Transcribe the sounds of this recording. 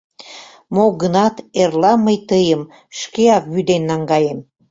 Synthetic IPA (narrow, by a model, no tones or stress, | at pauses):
moɡənɑt̪erlɑməjt̪əjəm | ʃkeɑkβyd̪enːɑŋɡɑjem